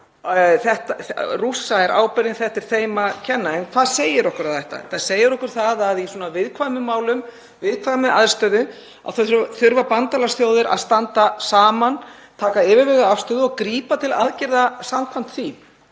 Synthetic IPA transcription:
θɛht̪arusaɛɾʔa̰ːwpɛɾɪnθɛht̪ɪɾ̥θeːjmacʰɛnːaɛnkʰvaðseːjɪɾɔhkʏɾaðθɛht̪a̰θaðseːjɪɾɔhkʏɾ̥θaðaðisuɔnavɪðkʰvajmʏmːaːwlʏm | vɪðkʰvajmʏʔaðɾ̥st̪œːðʏ | a̰ðθœθθʏɾvapant̪alasθjoːwðɪɾʔa̰ðst̪ant̪asaːman | t̪ʰaːkaɪːvɪɾvɛɣaafst̪œðʏɔɣkɾiːpat̪ʰɪlaðcɪɾðasamkʰvam̥t̪θim

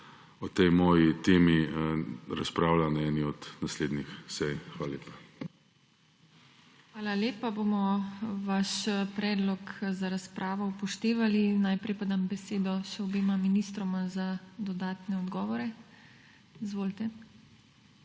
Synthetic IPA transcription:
ɔt̪ɛjmɔːjit̪eːmi | ɾaspɾaːwlanɛniɔd̪nasleːd̪nixsɛjxʋaːlaleːpḁ | xʋaːlaleːpabomɔʋaʃpɾɛːd̪lɔkzaɾaspɾʔaːʋɔupɔʃt̪eːʋalinajpɾɛjpad̪ambɛseːd̪ɔʃɛɔbeːmaminist̪ɾɔmazad̪ɔd̪aːt̪nɛɔd̪ɡɔːʋɔɾɛ | izʋoːlt̪ɛ

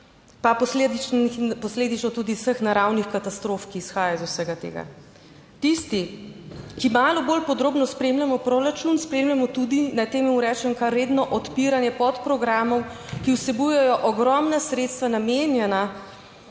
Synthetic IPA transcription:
papɔsled̪ipɔsleːd̪it͡ʃnɔt̪uːd̪iwsəxnaɾawnixkat̪ast̪ɾofkiːsxaːjazusəɡat̪ḛːɡa̰ | t̪ist̪i | kimaːlɔboːlpɔd̪ɾoːbnɔspɾeːmlʲamɔpɾoɾat͡ʃunspɾeːmlʲamɔt̪ud̪inat̪emiuɾɛːt͡ʃɛmkaɾːeːd̪nɔʔɔt̪piɾanjɛpɔt̪pɾɔɡɾaːmɔm | kiwsɛbujɛjɔʔɔɡɾɔmnasɾet̪st̪ʋanameːnjɛna

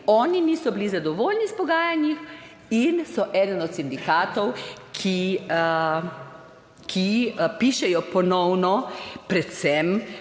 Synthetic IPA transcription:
ɔːniniːsɔbilizad̪ɔʋoːlnispɔɡaːjanjix | insɔʔɛːd̪ənɔt̪sind̪ikaːt̪ɔwkʰi | kʰipiʃɛjɔpɔnɔwnɔpɾɛt̪sɛm

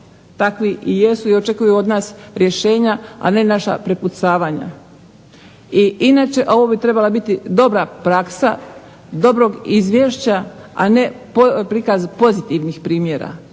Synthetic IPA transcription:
t̪akʋiʔije̞suio̞t͡ʃe̞kujuo̞d̪naːsɾje̞ʃe̞ːɲaa̰ne̞naʃa̰pɾe̞put̪saːʋaɲa̰ | iinaːt͡ʃe̞ʔo̞ʋobit̪ɾe̞balabit̪id̪o̞bɾapɾaksa | d̪o̞bɾo̞ɡizʋjeʃt͡ɕaa̰ne̞popɾikazpo̞zit̪iʋnixpɾiːmjeɾa̰

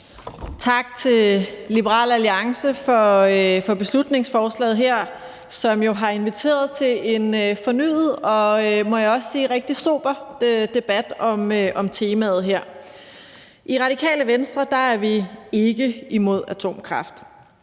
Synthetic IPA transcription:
t͡sʰɑ̈ɡ̥̚t͡sʰe̝llib̥əʁɑ̰̈ːlæliɑ̈ŋsəfɒ̽fɒ̽b̥e̝slud̥ne̝ŋsfɒːslɛ̰ːð̩ˠɦeɐ̰ | sɒ̽mjo̝ɦɑ̈e̝nʋit͡sʰe̝̰ːɐð̞̩ˠt͡sʰe̝e̝nfɒ̽ny̰ːð̩ˠɒ̽mɒ̽jaɒ̽ssiːʁeɡ̥̚d̥iso̝̰ːb̥ɐd̥e̝b̥æd̥ɒ̽mʔɒ̽mt͡sʰe̝ːmæð̞̩ˠɦeɐ̰ | ʔiʁɑ̈ɾ̥ikʰɛ̰ːləʋensd̥ʁɐd̥ɑ̈æɐʋie̝ɡ̥əimo̝ð̞̰ˠæt͡sʰo̝̰ːmkʰʁɑ̈fd̥

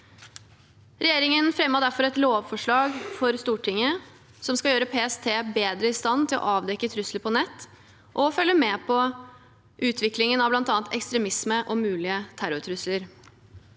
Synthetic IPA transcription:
ɾʔɛjeːɾɪŋənfɾɛmːɑd̪æɾfɔɾɛt̪loːʋfɔʂɭɑːɡfɔɾst̪uːʈʰɪŋːə | sɔmskɑljøːɾəpʰeːɛst̪ʰeːbeːd̪ɾəɪst̪ɑnːt̪ʰɪlʔɔ̰ʔɑːʋd̪ɛkːət̪ʰɾʉsləpʰɔnɛt̪ː | ʔɔfœlːəmɛpʰɔ | ʔʉːt̪ʰʋɪklɪŋənɑʋblɑnt̪ɑːnt̪ɛ̰kst̪ɾɛmɪsməʔɔmʉːlɪət̪ʰæɾʊɾt̪ʰɾʉsləɾ

